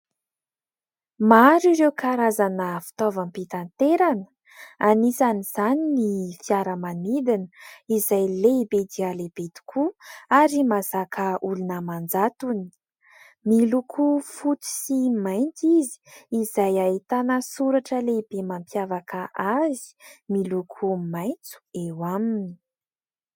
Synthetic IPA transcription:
maɾiɾewkaɾazanəfi̥t̪ovampit̪ant̪eɾanə̥ | anisaniz̥aninifiaɾəmanid̪inəizajleibed̪ialeb̥ed̪̥i̥kʰuaɾimazakʰəulunəmand͡zat̪uni̥ | milukʰufut̪u̥simajnt̪izi̥ːzajait̪anəsuɾaʈ͡ʂəleibemampjavakəʔazi̥milukʰumajnt͡su̥ewamini̥

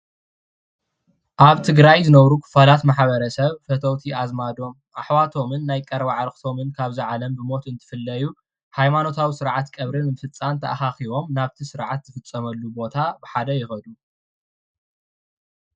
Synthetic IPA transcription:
ʔaβt̪ʰɨɡɾajzɨnɐβɾukʰɨ̥falat̪maħβɐɾɐsɐβfɐt̪ʰɐwt̪ʰiʔazmad̪o̞m | ʔaħwat̪ʰo̞mɨnːajkʼɐɾβaʕaɾɨxt̪ʰo̞mɨnkʰaβziʕalɐmbɨmo̞t̪ɨnt̪ʰɨ̥fɨlːɐju | hajmano̞t̪ʰawisɨɾʕat̪kʼɐβɾɨnmɨfɨt͡sʼːant̪ʰɐʔaxaxiβo̞mnaβt̪ʰisɨɾʕat̪z̥ɨfɨt͡sʼːɐmɐlːubo̞t̪ʰabɨħad̪ɐjɪxɐd̪u

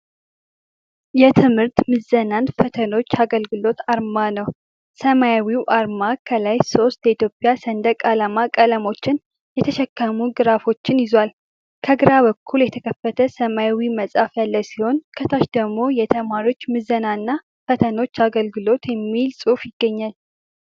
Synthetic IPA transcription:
jɛt̪ʰɨmhɨɾt̪mɨzənanfət̪ʰəno̞t͡ʃːaɡəlɡɨlo̞t̪aɾmanəw | səmajawiwʔaɾmakʰəlajso̞st̪jəit̪ʰjopʼjasənd̪əkʼalamakʼələmo̞t͡ʃːɪn | jɛt̪ʰəʃɛkːəmuɡɨɾafo̞t͡ʃːɪnjɪzwal | kʰəɡɨɾaβəkʰːuljɛt̪ʰəkʰəfːət̪ʰəsəmajawiməsʼafjalːəwsiho̞nkʰət̪ʰaʃd̪əɡmo̞jɛt̪ʰəmaɾio̞t͡ʃːmɨzːənanːa | fət̪ʰəno̞t͡ʃːaɡəlɡɨlo̞t̪jɛmːilsʼufjɪɡːəɲːal

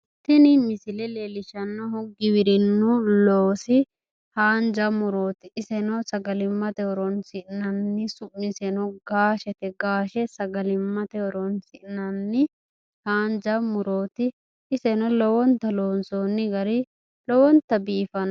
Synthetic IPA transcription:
t̪ːɪnɪmɪsɪlɛleːlɪʃɐnːɔɦɔɡɪwɪɾɪnːɔloːsɪ | haːnd͡ʒɐmʊɾoːt̪ɪɪsɛnɔsɐɡɐlɪmːɐt̪ɛɔɾɔnsɪʔɪnɐnːɪsʊmːɪsɛnɔɡaːʃɛt̪ɛɡaːʃɛsɐɡɐlɪmːɐt̪ɛɔɾɔnsɪʔnɐnːɪ | haːnd͡ʒɐmʊɾo̞ːt̪ɪ | ɪsɛnɔlɔwɔnt̪ːɐloːnsoːnːɪɡɐɾɪ | lɔwɔnt̪ːɐbiːfɐn

